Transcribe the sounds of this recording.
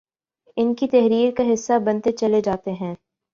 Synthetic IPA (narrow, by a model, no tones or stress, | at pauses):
ɪnkit̪ɛɦɾiːɾkaɦɪsːabɐ̃nt̪et͡ʃɐled͡ʒaːt̪eɦɛ̃ː